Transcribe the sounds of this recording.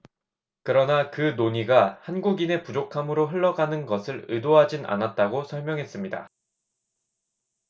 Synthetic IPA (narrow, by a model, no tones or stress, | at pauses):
kɯɾʌnakɯnoɲiɡahanɡuɡine̞pud͡ʑokʰamɯɾoɦɯɭːʌɡanɯnɡʌsʰɯɾɯdoɦad͡ʑinʔa̰nat̚t͈aɡosʰʌɭmjʌŋɦe̞s͈ɯmɲida̰